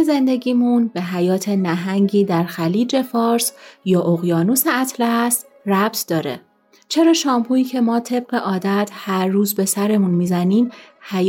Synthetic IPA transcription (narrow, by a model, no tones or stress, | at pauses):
eze̞nd̪e̞ɟiːmunbe̞ɦæjɒːt̪ʰe̞næɦæŋɟiːd̪æɾxæliːd͡ʒe̞fɒːɾsjɒːʔoɣjɒːnuseæt̪ʰlæst̪ | ræb̥̚t̪ʰd̪ɒːɾḛ | t͡ʃʰe̞ɾɒːʃɒːmpʰuːiːcʰe̞mɒːt̪ʰe̞b̚ɢe̞ʔɒːd̪æt̪ʰhæɾːuːzbe̞sæɾe̞munmiːzæniːmhæj